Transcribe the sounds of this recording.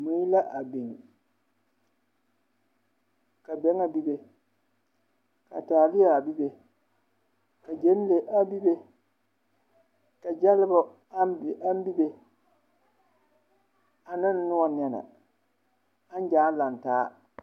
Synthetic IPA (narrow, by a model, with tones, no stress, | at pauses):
mu˨˦ji˦la˦ʔa˨be˨ŋ˨ | ka˨bɛ˦ŋa˨bi˦be˨ | ka̰˨taː˨lɪ˦ja˨a˨bi˦be˨ | ka˨d͡ʒe˦n˦le˨ʔa˨bi˦be˦ | ka˨d͡ʒa˦lɪ˦bɔ˦ | a˦m˦bi˦be˨ | a˨nɪ˦n˦nʊ˦wa˨n˨ɛ˨na̰˨ | a˦n˦d͡ʒaː˨˦la˨n˨taː˦